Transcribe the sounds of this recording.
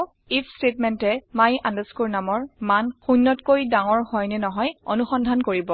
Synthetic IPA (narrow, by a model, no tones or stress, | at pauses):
ipʰstetmɛntɛmajʔãndɛskuɹnamɔɹmanxunːɔtkojdaŋɔɹhɔjnɛnɔɦɔjo̰nuxɔndʱankoɹibɔ